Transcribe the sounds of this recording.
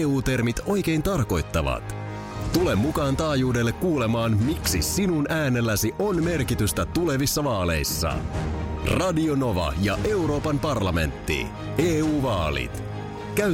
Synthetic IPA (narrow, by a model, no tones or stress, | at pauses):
uːt̪e̞rmit̪o̞jk̟e̞jnt̪ɑrko̞jt̪ːɑʋɑ̰t̪ | t̪ule̞mːukɑːnt̪ɑːjuːde̞lːekːuːle̞mɑːnmiksisinunæːne̞lːæsiʔo̞nme̞rkit̪yst̪æt̪ule̞ʋisːɑʋɑːle̞̰jsːɑ̰ | rɑdio̞no̞ʋɑ̰jɑʔe̞uɾo̞ːpɑmpɑrlɑme̞̰nt̪ːḭ | eːuːʋɑːlḭt̪ | kæy